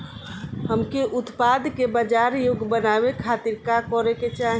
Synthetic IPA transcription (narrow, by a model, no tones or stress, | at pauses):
ɦəmkeʔʊt̪pad̪ʱkebəd͡ʒaːɾjoɡbənaːbekʰaːt̪iɾkakɔɾeket͡ʃaːɦi